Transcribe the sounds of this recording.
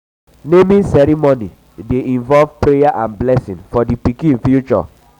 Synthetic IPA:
nemĩsɛɾimoni | deʔĩnvɔlvpɾejaʔãnblɛsĩnfɔdipikĩĩnfjut͡ʃɔ̰

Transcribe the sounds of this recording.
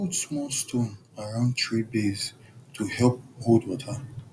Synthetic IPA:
odsmɔlstõn | aɹãʊ̃ndtʰɹibez | tʰuhɛlp̚ɡodwɔtʰa

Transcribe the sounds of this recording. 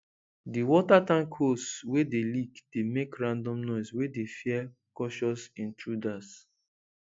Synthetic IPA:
diwɔtatãŋkʰoswedelikd̥emekɹãndɔ̃mnɔɪswedefiɛ | kɔʃɔsĩntɹudas

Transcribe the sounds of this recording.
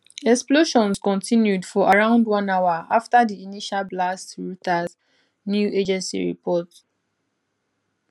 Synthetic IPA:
ɛksploʃɔ̃nskɔ̃ntʰĩnjudfɔʔaɹãʊ̃ndwãnawaaftadiiniʃalblastɹutaz | njued͡ʒɛ̃nsḭɹḭpʰɔt

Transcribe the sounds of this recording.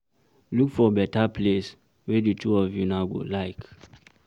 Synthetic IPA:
lukfɔbɛtaples | wɛditʰuɔfjunaʊɡo̰laɪk

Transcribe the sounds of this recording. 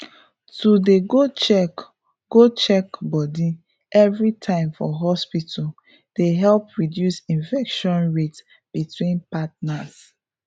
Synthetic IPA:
tudeɡot͡ʃɛk | ɡ̥ot͡ʃɛkbɔdi | ɛvɹitʰãɪ̃mfɔɦɔspitʰɔ | d̥eɦɛlpɹidjusĩnfɛkʃɔ̃nɹet | b̥itwĩnpat̚nas

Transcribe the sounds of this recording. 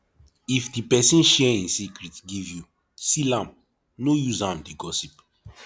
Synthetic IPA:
ifdipɛsĩnʃɛĩnsikɹitɡivju | silãm | nojuzãmdiɡɔsip

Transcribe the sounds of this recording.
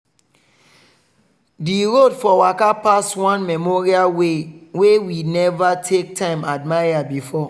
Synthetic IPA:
diɹodfɔwakapaswãnmɛmɔɹiawewinɛvatʰek̚tʰãɪ̃mad̚maabifɔ

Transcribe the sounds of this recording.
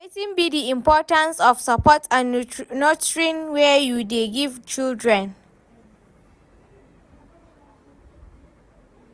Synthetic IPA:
etĩnbidiĩmpɔtãnsɔfsapɔtʰãnnotɹĩnwɛjudeɡivt͡ʃildɹɛ̃n

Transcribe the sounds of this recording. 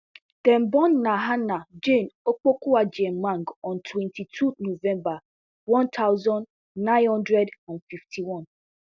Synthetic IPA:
d̥ɛmbɔnːaɦanad͡ʒẽnok͡pokuad͡ʒemːãŋɡɔ̃ntʰwɛ̃ntitʰunovɛ̃mba | wɔ̃nt̪ʰawzɔ̃n | nãɪ̃nhɔ̃ndɹɛdanfiftʰiwɔ̃n

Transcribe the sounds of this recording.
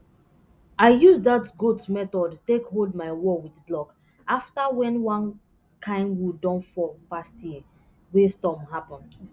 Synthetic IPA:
aɪjuzdatɡutmɛtɔdtekholdmaɪwɔwiθblɔk | aftawɛ̃nwãn | kʰãɪ̃ndwudɔ̃nfɔpastji | westɔmhapɔ̃n

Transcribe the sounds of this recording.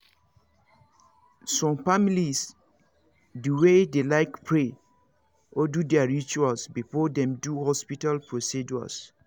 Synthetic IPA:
sɔ̃mfamilis | duwedelaɪkpʰɹe | ʔɔdudɛaɹit͡ʃualsbifɔdɛ̃mduhɔspitalpɹosid͡ʒua̰s

